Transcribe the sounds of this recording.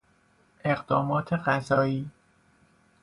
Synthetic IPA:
ʔe̞ɢd̪̥ɒːmɒːt̪ʰe̞ɢæzɒːiː

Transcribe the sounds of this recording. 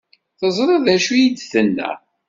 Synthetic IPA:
θəzˤɾˤeðæʃujid̪θənːæ̰

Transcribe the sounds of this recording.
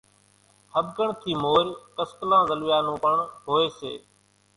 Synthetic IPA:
həbɡəɳt̪ʰiːmoːɾkəsk̪lãːzəlʋjaːnũːpəɳɦoːeːsḛː

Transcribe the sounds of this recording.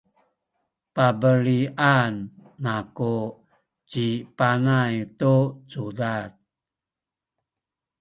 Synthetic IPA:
pabəɾiʔanːaku | t͡ʃipanajtusudat̪̚

